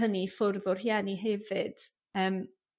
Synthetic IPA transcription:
ənifʊrðʊr̥hianiɦɛvɨd̥ | əːm

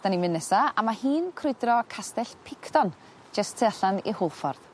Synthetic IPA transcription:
d̥animɪnːɛsaamahiːnkʰrʊɨdrɔkʰastɛɬpʰɪkʰdɔn | d͡ʒəstʰːəaɬanḭhʊlˠfɔrð̥

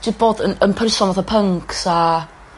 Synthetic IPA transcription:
dɪb̥oːdənənpʰrɪsɔnvaθapʰəŋksa

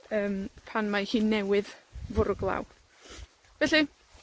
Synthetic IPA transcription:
əːmpʰanmahiːnːɛwɪðvʊɾʊɡlˠa̰w | vɛɬi

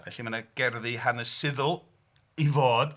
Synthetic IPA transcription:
vɛɬimanəɡ̥ɛrðihanəsɪðʊlˠ | ivoːd̥

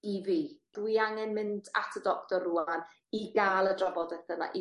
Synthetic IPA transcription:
ivid̥wiaŋɛnmɪnda̰tʰədɔktɔruan | iɡaːlˠədrɔbɔdɛθəna̰ʔi

